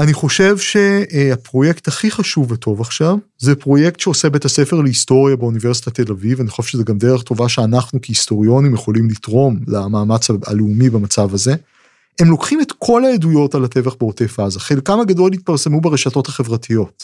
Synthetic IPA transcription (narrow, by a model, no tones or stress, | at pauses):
aniχo̞ʃe̞vʃeapʁo̞je̞kt̪haχiχaʃuvːetʰo̞vaχʃav | zepʁo̞jektʃeosebethase̞feʁleisto̞ʁjabeunive̞ʁsitat̪elavivanixχoʃvʃezeɡamdeʁeχto̞vaʃeanaχnukiisto̞ʁio̞nimjeχo̞limlitʁo̞mlamaːmat͡saa̰leumibamat͡savaze̞ | emlo̞kχime̞t̪kʰo̞laedujo̞talate̞vaχbeotefazaχelkamaɡado̞lit̪̚paʁse̞mubeʁeʃato̞thaχe̞vʁatʰijo̞t